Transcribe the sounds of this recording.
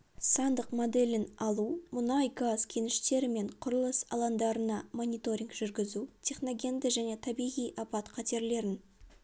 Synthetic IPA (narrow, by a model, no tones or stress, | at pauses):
sɑnd̪əqmo̞d̪e̞lʲɪnɑlˠumʊnɑjɡazkʲʰe̞nɪʃt̪e̞ɾɪme̞ɴqʰʊɾəlˠəsɑ̰lˠɑnd̪ɑɾənɑmo̞nʲijt̪o̞ɾʲiŋɡʒʏɾɡʲɪzut̪ʲʰe̞χno̞ɡʲe̞nd̪ɪʒæne̞t̪ʰɑbijʁijʔɑpɑt̪qʰɑt̪e̞ɾle̞ɾɪn